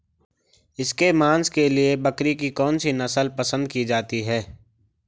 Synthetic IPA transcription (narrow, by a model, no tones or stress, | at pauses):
ɪskemãːnskeliebɐkɾikikɔːnsinɐsəlpəsə̃nd̪̚kid͡ʒaːt̪iɦɛː